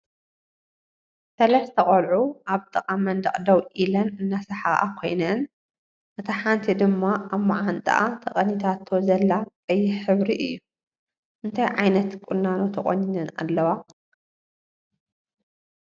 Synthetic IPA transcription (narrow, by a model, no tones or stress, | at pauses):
sɐlɐst̪ʰɐχʼɐlʕuʔaβt̪ʼɨqʼamɐnd̪ɐχʼd̪ɐwʔilɐnɨnːasɐħaɣʔa̰kʰo̞jnɐn | ʔɨt̪ʰɐħant̪ʰid̪ɨmːaaβmaʕant̪ʼɨ̰ʔa̰t̪ʰɐχʼɐnit̪ʰat̪ʰːozɐlːakʼɐjːɪħɨβɾiʔɨjːu | ʔɨnt̪ʰajʕajnɐt̪kʼʊnːanot̪ʰɐχʼo̰ɲːinɨna̰lːɐwa